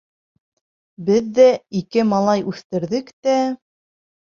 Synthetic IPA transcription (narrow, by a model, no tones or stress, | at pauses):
bɘðːæikɘmɑlˠɑjʉθt̪ɘ̆ɾðɘkt̪æ